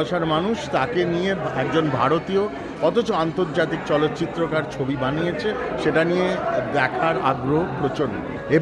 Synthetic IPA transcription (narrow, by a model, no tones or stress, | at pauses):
oʃaɾmanuʃt̪akenijeɛkd͡ʑonbʱa̰ɾot̪io | ɔt̪ot͡ɕoant̪oɾd͡ʑat̪̬ik̚t͡ɕɔlot̪ːt͡ɕit̪ːɾokaɾt͡ɕʰobibanijet͡ɕʰeʃeʈanijebɛkʰaɾa̰ɡɾoɦopɾot͡ɕonːo̰ | e